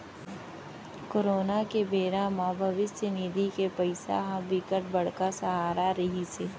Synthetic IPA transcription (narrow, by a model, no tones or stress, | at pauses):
koɾoːnakebeːɾãmãːbʱɐʋɪst̪əniːd̪ʱikepɐɪsa̰ɦabɪkəʈ̚bɐɽ̤kasəɦaːɾaɾɐɦiseː